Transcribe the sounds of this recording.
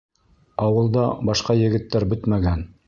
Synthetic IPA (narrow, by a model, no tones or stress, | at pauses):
ɑwɤ̆lˠd̪ɑbɑʃqɑjɘ̆ɡɘ̆t̪ːæɾbɵt̪mæɡæn